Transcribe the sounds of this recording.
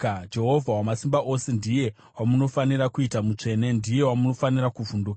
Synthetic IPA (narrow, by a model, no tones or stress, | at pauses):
d͡ʒe̞ɦo̞vʱawamasimbaʔo̞se̞ndije̞ | wamuno̞fanirakuitamut͡ʂe̞ne̞ndije̞wamuno̞fanirakuvunduka